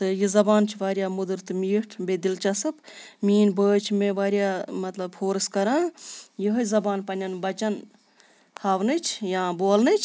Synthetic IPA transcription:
t̪ɨjizɐbaːnt͡ʃʰʋaːɾʲjaːmud̪ɨɾt̪ɨmiːʈʰbed̪ilt͡ʃɐsɐpmiːnbəːt͡ʃʰmeʋaːɾjaːmɐt̪lɐbfʰoːɾskɐɾãːjiɦəzɐbaːnpɐnʲɐnbɐt͡ʃɐn | t̪ʰaːʋnɨt͡ʃʰjãːboːlnɨt͡ʃʰ

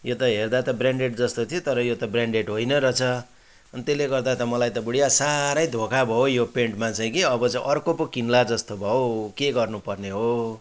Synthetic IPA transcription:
jot̪ʌɦerd̪at̪ʌbraɳɖeʈ̚d͡zʌst̪ot̪ʰijot̪ʌɾʌjot̪ʌbraɳɖeʈɦojnʌɾʌt͡sʰʌ | ʌnit̪eleɡʌrd̪at̪ʌmʌlajt̪ʌbuɽijasaɾʌjd̪ʱokabʱʌojopeɳʈmat͡saĩkiʌbʌt͡sʌ̃ĩʔʌrkopokinlad͡zʌst̪obʱʌokeɡʌrnupʌrneɦo

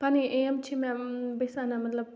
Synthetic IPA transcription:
paniʔeɐmt͡ʃʰimɛ̃besanamɐt̪lɐb̚

